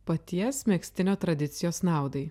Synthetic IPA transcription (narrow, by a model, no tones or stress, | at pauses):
pɐt̪ʲiɛsmʲɛksʲt̪ʲɪnʲoːt̪ɾɐd̪ʲɪt̪sʲɪjoːsnɑˑʊd̪ɐɪ